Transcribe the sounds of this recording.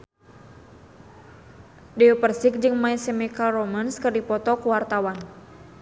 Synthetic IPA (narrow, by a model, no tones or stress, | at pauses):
dɛupərsɪk̚d͡ʒɨŋmaisɛmɛkalrɔmənskərdipɔt̪ɔkuwart̪awan